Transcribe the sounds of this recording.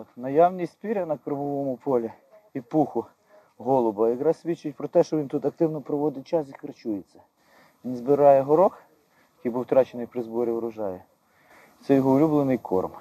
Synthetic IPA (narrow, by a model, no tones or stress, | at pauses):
nɐjɑwnʲisʲtʲsʲpʲiɾʲɐnɐkɾɪʋɔʋɔmʊpʰɔlʲi | ipuxʊ | ɦɔlˠɔbɐjɐkɾɑsʲʋʲit͡ʃːʊtʲpɾɔt̪ɛʃt͡ʃɔʋʲint̪ut̪ɐk̚t̪ɪwnɔpɾɔʋɔd̪ɪt͡ʃɑs̬ikɾɐt͡ʃujet͡sʲːɐ | ʋʲinzbɪɾɑjɛɦɔɾɔx | jɐkijbuwt̪ɾɑt͡ʃenɪjpɾɪzbɔɾʲiɔɾʊʒɑjɛ | t̪sɛjɔɦɔʊlʲublˠenɪjkʰɔ̰rm